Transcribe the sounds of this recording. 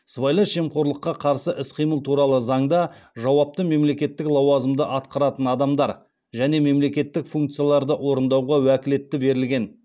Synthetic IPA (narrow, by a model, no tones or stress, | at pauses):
svɑjlˠɑʃemqo̞ɾlˠəqːɑqʰɑɾsəʔɪsqʰijməlˠt̪ʰuɾɑlˠəzɑɴd̪ɑʒɑwɑp̚t̪əme̞mle̞kʲe̞t̪ːɪklˠɑwɑzəmd̪əʔɑt̪̚qɑɾɑt̪ənɑd̪ɑmd̪ɑɾ | ʒæne̞me̞mle̞kʲe̞t̪ːɪkfuŋkt̪sɨjalˠɑɾd̪əʔwo̞ɾənd̪ɑwʁɑwækʲɪle̞t̪ːɪbe̞ɾɪlɡʲe̞n